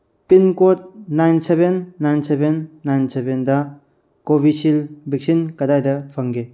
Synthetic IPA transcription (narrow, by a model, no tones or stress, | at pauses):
pinkot̚najnsebenːajnsebenːajnsebendɐ | kobisilbʱik̚sinkɐdajdɐpʰɐŋɡe